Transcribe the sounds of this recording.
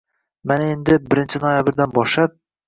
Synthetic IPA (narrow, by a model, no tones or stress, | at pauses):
manaend̪ɪbɪɾɪnt͡ʃʰɪnojabɪɾd̪anbɒʃlap̚